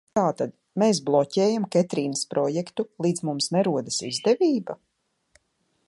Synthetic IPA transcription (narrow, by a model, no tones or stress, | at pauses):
t̪aːt̪ad̪ | meːs̬blˠɔcʲɛːjamkɛt̪ɾiːnəspɾɔjɛkt̪ulˠiːd̪zmumsnɛɾuɔd̪asizd̪ɛvʲiːba